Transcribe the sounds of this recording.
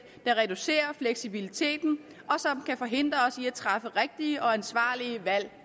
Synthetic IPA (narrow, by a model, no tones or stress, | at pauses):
d̥ɑ̈ʁɛd̥use̝̰ːɐfleɡ̥sib̥ilit͡sʰe̝̰ːd̥n̩ | ɒ̽sɒ̽mkʰæfɒ̽ɦe̝n̰d̥ʁɐɒ̽siæt͡sʰʁɑ̈fəʁeɡ̥̚d̥iəʔɒ̽ænsʋɑ̰̈ːliəʋæl̰